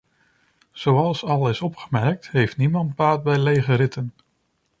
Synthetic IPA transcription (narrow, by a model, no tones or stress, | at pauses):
z̥owɑlˠsɑlˠɪsɔpχəmɛɹk̚tɦejftnimɑnd̚baːd̚bɛjlejχəɾɪtən